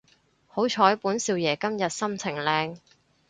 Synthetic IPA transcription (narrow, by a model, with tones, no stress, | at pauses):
ho˨˥wt͡ʃʰɔː˨˥jpuː˨˥nsiː˧wjɛː˨˩kɐ˥mjɐ˨t̚sɐ˥mt͡sʰɪ˨˩ŋlɛː˧ŋ